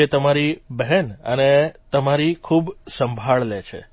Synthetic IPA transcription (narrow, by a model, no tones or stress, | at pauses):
et̪əmaɾibɛɦɛnə̰net̪əmaɾikʰubsə̃mbʱaɭlet͡ʃʰḛ